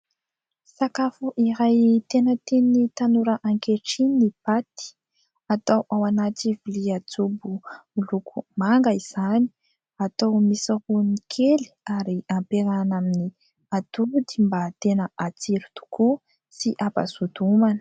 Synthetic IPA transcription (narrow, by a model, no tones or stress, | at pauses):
sakafuʔiɾajt̪enət̪enit̪anuɾəʔaŋkeʈ͡ʂinipat̪i̥ | at̪awʔawanat̪iviliat͡subuilukʰumaŋɡaiz̥ani̥ | at̪awmisahunikʰeli̥aɾiampeɾanamini | at̪ud̪imbat̪enəat͡siɾut̪u̥ku | siʔapa̰zud̪umanə̥